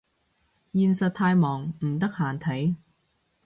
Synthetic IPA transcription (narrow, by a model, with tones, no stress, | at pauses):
jiː˨˧nsɐ˨t̪̚ʰaː˧jmɔː˨˩ŋm̩˨˩t̪ɐ˥k̚haː˨˩nt̪ʰɐ˨˥j